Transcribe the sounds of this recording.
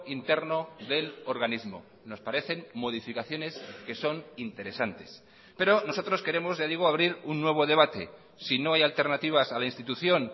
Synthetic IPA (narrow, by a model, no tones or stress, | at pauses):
int̪e̞ɾno̞ðe̞lo̞ɾɣanizmo̞̰ | no̞spaɾe̞θe̞nmo̞ð̞ifikaθjo̞ne̞ske̞so̞nint̪e̞ɾe̞sant̪e̞s | pe̞ɾo̞no̞so̞t̪ɾo̞ske̞ɾe̞mo̞zʝaðiɣ̞oaβ̞ɾiɾunːwe̞β̞o̞ðe̞β̞at̪e̞̰ | sino̞ajalt̪e̞ɾnat̪iβ̞asalainst̪it̪uθjo̞n